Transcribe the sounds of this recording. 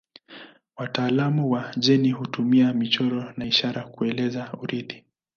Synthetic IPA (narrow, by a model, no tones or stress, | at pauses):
wataːlamuwaʄɛnihutumiamit͡ʃɔɾɔnaiʃaɾakuɛlɛzauɾiði